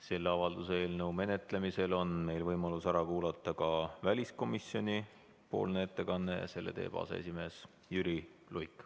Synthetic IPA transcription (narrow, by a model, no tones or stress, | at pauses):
se̞lːeɑvɑld̪use̞ːlnewme̞ne̞t̪ˑle̞mise̞lo̞nme̞jlvɤjmɑlusæɾɑkuːlɑt̪ˑːɑkɑvælʲisko̞misjo̞nʲi | po̞̰ːlnee̞t̪ːe̞kɑnːe̞jɑ̰se̞lːe̞̰t̪e̞̰ːpɑ̰ːsḛḛsime̞ːs | jyɾilujkːˑ